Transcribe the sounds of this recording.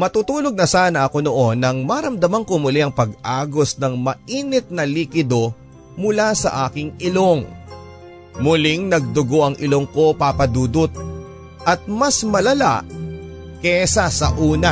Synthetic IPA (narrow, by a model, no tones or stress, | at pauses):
mɐt̪uːt̪uːloɡ̚nɐsaːnɐʔɐko̞noʔo̞nːɐŋmɐɾɐmd̪ɐmɐŋkomʊliʔɐŋpɐɡʔaːɡo̞snɐŋmɐʔiːnɪt̪̚nɐliːkɪd̪o̞ | mʊlasɐ̰ʔaːkɪŋʔɪlo̞ŋ | mʊlɪŋnɐɡ̚d̪ʊɡo̞ʔɐŋʔɪloŋko̞papɐd̪uːd̪ʊt̪̚ | ʔɐt̪̚mɐsmɐlɐla̰ʔ | kɛsɐsɐ̰ʔuːnɐ